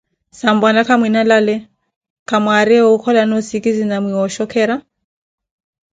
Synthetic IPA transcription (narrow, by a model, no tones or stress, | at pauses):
sam̩banakʰamwinalalɛ | kʰamwaɾɛɔukʰɔlanɔsikizinamwiɔʃɔkʰɛːɾa